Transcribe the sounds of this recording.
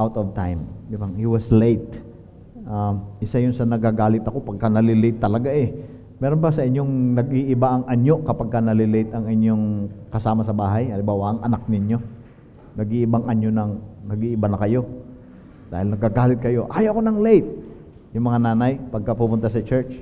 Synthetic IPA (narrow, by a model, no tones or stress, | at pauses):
ʔawt̪ovt̪ajmd̪ibaŋhiwɐslejt̪̚ | ʔaʔɪsajʊnsɐnɐɡaɡaːlɪt̪ɐko̞pɐɡ̚kanɐlɪlejt̪ːɐlɐɡaʔɛ | mɛɾonbasɐʔɪɲjo̞ŋnɐɡiʔɪbaʔɐŋʔɐɲjo̞kɐpaɡ̚kːɐnɐlɪlejt̪ɐŋɪɲjoŋkɐsaːmɐsɐbaːɦɐjɐlɪmbaːwɐʔɐŋɐnak̚nɪɲjo̞ | nɐɡiʔɪbaŋʔɐɲjonɐŋnɐɡiʔɪbanɐkɐjo̞ | d̪aːhɪlnɐɡaɡaːlɪt̪̚kɐjo̞ʔaːjokonɐŋlejt̪̚ | jʊŋmɐŋanaːnɐjpɐɡ̚kɐpumʊnt̪asɐt͡ʃɛɹt͡ʃ